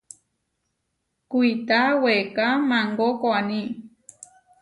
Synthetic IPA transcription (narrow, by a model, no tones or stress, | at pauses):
kuit̪awekamãŋɡokoanĩ